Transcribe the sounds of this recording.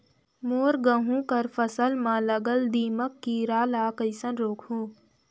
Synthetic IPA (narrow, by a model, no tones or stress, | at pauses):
moːɾɡəɦũkəɾpʰəsəlmãləɡəld̪iːməkːiɾaːlaːkəɪsənɾoːkʰɦũː